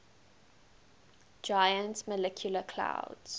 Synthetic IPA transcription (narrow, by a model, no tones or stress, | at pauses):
d͡ʒajə̃ntməlɛkʰjuləkʰl̥a̰ʊdz̥